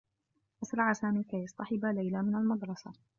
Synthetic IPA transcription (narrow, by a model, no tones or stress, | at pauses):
ʔasɾˤɑʕasaːmiːkajɑsˤt̪ˤɑħɪbalajlamɪnalmɑd̪ɾˤɑsa